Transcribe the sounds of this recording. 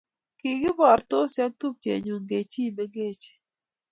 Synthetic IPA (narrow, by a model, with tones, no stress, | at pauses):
ki˨ɡɪ˦bɔ˨ɾt̪o˦sja˦k̚t̪u˦p̚t͡ʃḛ˨ɲo˨ŋɡe˨t͡ʃi˦˨me˦ɡe˦˨t͡ʃ